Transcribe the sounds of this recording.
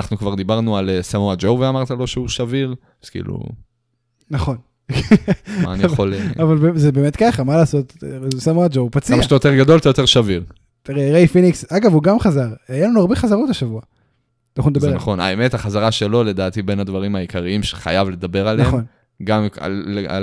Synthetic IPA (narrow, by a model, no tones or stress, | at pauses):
naχnukvaʁd̪ibaʁnualesamoad͡ʒowveamaʁt̪alo̞ʃeuʃaviʁ | z̥kḭːlṵ | naχo̞n | kmaːniolavalbzebe̞ːme̞t̪kaχamalaːso̞t̪samoad͡ʒowpat͡smmaʃt̪ajo̞t̪e̞ʁɡad̪o̞ltajot̪e̞ʁʃaviʁ | t̪iʁeʁejfiniksaɡavuɡamχazaʁajelanuaʁbeχazaʁotaʃavua | anaχuned̪azenaχo̞na̰eme̞t̪haχazaʁaʃe̞lole̞d̪aːt̪ibe̞nad̪vaʁimaikaʁiimʃe̥χa̰javle̞d̪abe̞ʁalnaeχon | ɡama̰lea̰